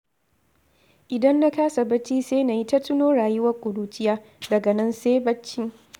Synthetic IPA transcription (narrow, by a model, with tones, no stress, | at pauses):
ʔɪ˨dɐ˦nːa˦kaː˦sa˨bɐ˦t͡ʃːiː˦seː˦na˨ji˦ta˦tʊ˦noː˦ɽaː˨jʊ˦wɐ˦rkʷʼʊ˨ɽuː˦t͡ʃʼɪ˦jaː˦ | dɐ˨ɡɐ˨nɐ˦nseː˦bɐ˦t͡ʃːɪ˦ŋ